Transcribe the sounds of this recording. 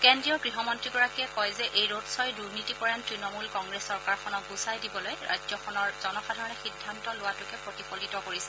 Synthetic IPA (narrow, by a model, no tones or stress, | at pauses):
kendɹijɔɹkɹiɦɔmɔntɹiɡɔɹakiɛkɔjzɛʔejɹotsɔjduɹnitikɔɹantɹinɔmulkɔŋɡɹesːɔɹkaɹxʰɔnɔk̚ɡusajdibɔlojɹa̰jzɔxʰɔnɔɹz̥ɔnɔxadʱaɹɔnɛxidʱːantɔlʊwatʊkɛpɹotipolitɔkoɹisɛ̥